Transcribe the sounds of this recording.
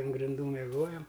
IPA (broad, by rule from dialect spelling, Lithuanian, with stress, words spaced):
ɐn ɡrʲɪnˈduː mʲɛˈɡoːjɛm